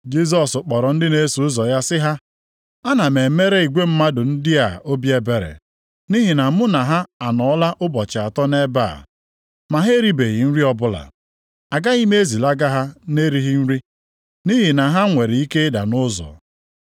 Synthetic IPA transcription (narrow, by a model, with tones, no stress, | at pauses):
d͡ʒi˦s̬ɔ˨sʊ˨k͡pɔ˨ɾɔ˨n̩˦dɪ˦ne˦su˨ʊ˦zɔ˨ja˦sɪ˦ɦa˦ | a˦na˨me˨me˦ɾe˦i˨ɡʷe˦m̩˦ma˦dʊ˨n̩˦dɪ˦a˨ʔo˦bi˦e˦be˨ɾḛ˨ | ni˦ɦi˨na˨˦mʊ˦na˨ɦa˦a˨nɔ˨ɔ˦la˦ʔʊ˦bɔ˨t͡ʃɪ˨a˨tɔ˦ne˦ba̰˦˨ | ma˨ɦe˦ɾi˦be˨ɣi˨n̩˦ɾi˦ɔ˦bʊ˦la̰˨ | a˨ɡa˦i˦me˦e˦zi˨la˦ɡa˦ɦa˦ne˦ɾi˦ɦi˦n̩˦ɾi˦ | ni˦ɦi˨na˨ɦa˦ŋʷe˨ɾi˨i˦ke˦da̰˨nʊ˦zɔ̰˨